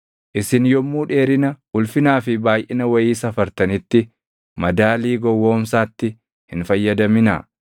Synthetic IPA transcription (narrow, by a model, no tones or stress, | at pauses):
ʔɪsɪnjɔmːuːᶑeːɾɪnɐ | ʊlfɪnaːfɪbaːjʔɪnɐwɐjiːsɐfɐɾt̪ɐnɪt̪ːɪ | mɐd̪aːliːɡɔwːo̞ːmsaːt̪ːɪ | hɪnfɐjːɐd̪ɐmɪna̰ː